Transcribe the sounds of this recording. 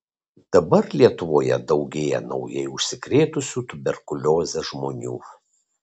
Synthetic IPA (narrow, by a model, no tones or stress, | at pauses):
d̪̥ɐbɐɾlʲiɛt̪ʊʋoːjɛ̰d̪ɒʊɡʲeːjɛ̰nɒ̰ʊjɛɪʊʃʲsʲɪkɾʲeːt̪ʊsʲuːt̪ʊbʲɛɾkʊlʲoːzʲɛʒmoːnʲṵː